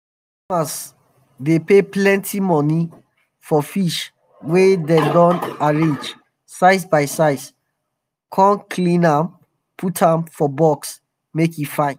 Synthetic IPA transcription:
mas | depeplɛ̃ntʰimɔni | fɔfiʃ | wedɛdɔ̃naɹẽd͡ʒ | saɪs̬baɪsaɪs | kʰɔ̃nkʰlĩnãm | pʰutʰãmfɔbɔks | mekjifãɪ̃n

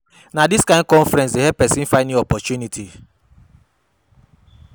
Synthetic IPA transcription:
nadiskãɪ̃nd̚kɔ̃nfɾɛ̃nsdeɦɛpɛsĩn̩fãɪ̃nĩɔpɔtjunitʰi

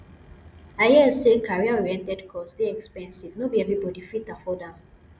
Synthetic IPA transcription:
ajɛsekaɹiaɔɹɛ̃ntɛdkʰɔsdeɛkspɛ̃nsivnobiɛvɹibɔdifitafɔdãm

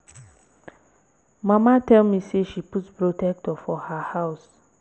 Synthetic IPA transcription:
mãmatɛlmiseʃiputpɹotʰɛk̚tɔfɔhahaʊs

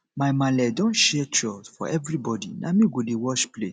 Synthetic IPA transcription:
maɪmãlɛdɔ̃nʃɛtʰɹɔsfɔ̰ʔɛvɹibɔdḭnamĩɡodewɔʃple

